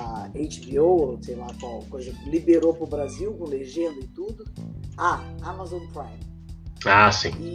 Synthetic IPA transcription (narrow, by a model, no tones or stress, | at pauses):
aejt͡ʃbiowosejlakwawkojzɐlibeɾopɾʊbɾaziwkõleʒẽnd̪ʊɪt̪ud̪ʊaamazõnpɾajm | asḭ̃